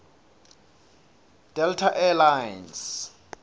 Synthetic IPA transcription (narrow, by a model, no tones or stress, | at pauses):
d̥ɛltʰaʔɛlajns